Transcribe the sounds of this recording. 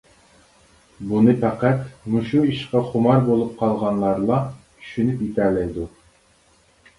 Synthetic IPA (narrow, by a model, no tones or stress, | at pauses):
bunɨpæqæt̪muʃuiʃqɑχʊmɑɾbolˠup̚qʰɑlˠʁɑnlˠɑɾlˠɑt̪ʰy̥ʃynypjit̪ʰæɾlɛjd̪u